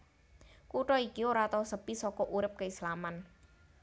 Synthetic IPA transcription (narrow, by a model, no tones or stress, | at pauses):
kuʈɔikioɾat̪ɔsəb̥isɔkɔʔuɾɪp̚kəislaman